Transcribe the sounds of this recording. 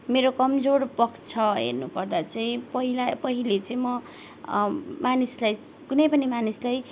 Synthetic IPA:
meɾokʌmd͡zorpʌkt͡sʰʌɦḛrnupʌrd̪at͡sʌĩpʌɦilapʌɦilet͡sʌĩmʌ | manislaj | kunʌjpʌnimanislaj

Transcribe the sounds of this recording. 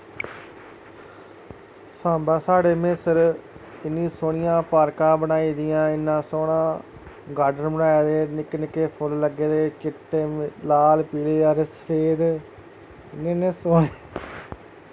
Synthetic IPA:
sãːmbãːsaːɽeːmɪsəɾɪnːĩːsoːɳɪjãːpaːɾkãːbənaːiːd̪ɪjãːɪnːãːsoːnãː | ɡaːɖənbəɽaːeːd̪eːnɪkːnɪkːeːpʰʊlləɡeːd̪eːt͡ʃɪʈːeːlaːlpiːleːaːɾesə̥pʰeːd̪ | ɪnẽːnẽːsoːneː

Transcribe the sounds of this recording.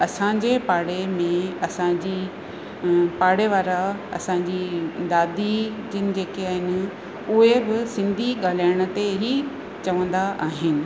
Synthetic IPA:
ɐsãɲd͡ʑepaːɽemẽɐsãd͡ʑiː | paːɽeʋaːɾaɐ̰sãɲd͡ʑid̪aːd̪ʱid͡ʑɪnɪ̆d͡ʑeːkeaːɦɪnɪ̆ | ʊɦebɪsɪ̃nd̪ʱiɠaːl̤aːɪɽ̃ə̆t̪eɦi | t͡ɕɐʋə̃nd̪aʔaːɦɪnɪ̆

